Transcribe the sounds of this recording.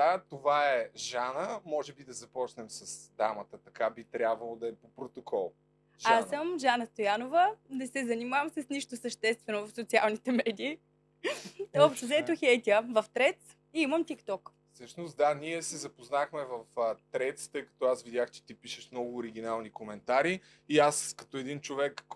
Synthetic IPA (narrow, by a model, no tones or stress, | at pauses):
d̪at̪ovaɛʒanəmɔʒɛbid̪ɐzɐpɔt͡ʃnɛmsɐsd̪a̰mət̪ət̪ɐkabit̪ɾʲjabvɐlˠod̪ɐɛpopɾot̪okʰɔlˠ | ʒaasəmʒanəst̪ojanovənɛsɛzɐnimavəmsəsniʃt̪osəʃt̪ɛst̪vɛnovɐfsot̪sia̰lˠnit̪ɛmɛd̪iː | ɔpʃt̪ɛzɛt̪oxɛjt̪iəvɐft̪ɾɛt̪s | iiməmt̪ikt̪ɔk | sɤʃnost̪d̪aniɛsɛzɐpoznaxmɛvɐft̪ɾɛt̪st̪ɤjkɐ̥t̪ɔasvid̪ʲaxt͡ʃɛ̥t̪ipiʃɛʃmnɔɡʊːɾiɡ̟ʲinalˠnikomɛnt̪aɾi | iaskɐt̪oɛd̪int͡ʃovɛk